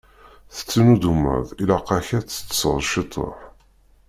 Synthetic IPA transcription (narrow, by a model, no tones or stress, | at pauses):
θə̥t͡sːənud̪umə̰ðilaqɑçæt͡sːə̥t͡sːə̥sʁˤʃit̪ˤʰːə̰ħ